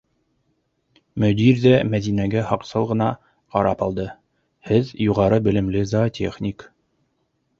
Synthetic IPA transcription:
mɵ̆d̪iɾðæmæðinæɡæhɑqsɤlˠʁɤ̆nɑ | qɑɾɑpɑlˠd̪ɤ | hɘðjuʁɑɾɤbɘ̆lɘ̆mlɘzat̪ʲʰeχnʲik

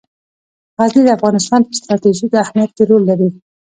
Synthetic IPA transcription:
ʁaznid̪əafɣɑnɪst̪ɑnd̪əst̪ɾɑt̪eʒid̪əahmijat̪̚keɾolːaɾi

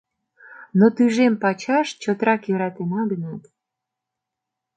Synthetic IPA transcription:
not̪yʒempɑt͡ɕɑʃt͡ɕot̪ɾɑkjøɾɑt̪enɑɡənɑt̪

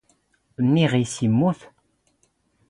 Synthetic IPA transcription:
nːiʁisimːuθ

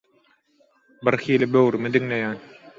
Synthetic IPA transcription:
biɾxiːlibøɣɾymid̪iŋle̞jæːn

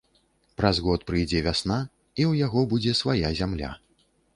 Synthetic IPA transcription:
pɾɐzɣɔt̪pɾɨjd͡zʲɛvʲasna | iwjaɣɔbud͡zʲɛsvajazʲamlʲa̰

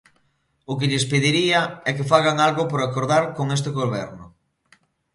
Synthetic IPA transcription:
ʊkɪʎɪspeðiɾiɐɛkefaɣaŋalɣʊpoɾakoɾðaɾkoŋes̬t̪eɣoβɛ̰ɾnʊ

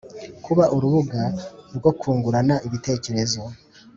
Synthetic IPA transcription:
kʰuβaʔuɾuβuɡaɾɡo̞kʰuːŋɡuɾanaʔiβite̞ːce̞ɾe̞zo̞

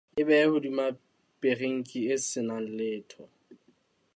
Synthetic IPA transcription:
ɪbɛhʊdima | pʼereŋ̩kʼɪɪsɪnan̩lɪːtʰɔ

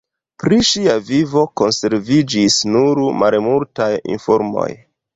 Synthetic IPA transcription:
pɾiʃiavivo̞ko̞nse̞ɾvid͡ʒisnuɾmalmultajḭnfo̞ɾmo̞̰j

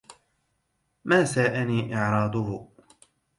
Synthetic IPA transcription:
maːsaːʔaniːʔɪʕɾˤɑːd̪ˤʊhʊ

